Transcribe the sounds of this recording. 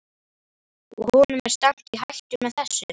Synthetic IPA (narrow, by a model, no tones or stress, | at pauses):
ɔ̰hɔnʏmɛɾ̥st̪aŋ̥t̪iɦajl̥t̪ʏmɛðθɛsːʏ